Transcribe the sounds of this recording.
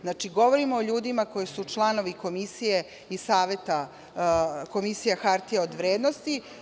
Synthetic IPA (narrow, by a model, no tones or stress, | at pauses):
znat͡ʃiɡo̞ʋo̞ɾimoːʎuːd̪imako̞jesut͡ʃlˠano̞ʋiko̞misije̞ | isaːʋe̞t̪a | ko̞misijaxaɾt̪ijaod̪ʋɾeːd̪no̞st̪i